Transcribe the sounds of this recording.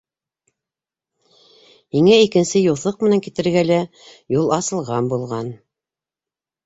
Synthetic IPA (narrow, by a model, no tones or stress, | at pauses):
hiŋæikɘ̆nsɘjulˠθɤq̚mɘ̆næŋkit̪ɘ̆ɾɡælæ | julˠɑsɤ̆lˠʁɑmbulˠʁɑn